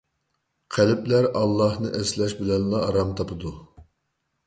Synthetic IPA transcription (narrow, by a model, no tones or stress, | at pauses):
qʰælɪplæɾɑlˠːɑhnɨʔɛslɛʃbɪlɛnlˠɑːɾɑmt̪ʰɑpʰɨd̪u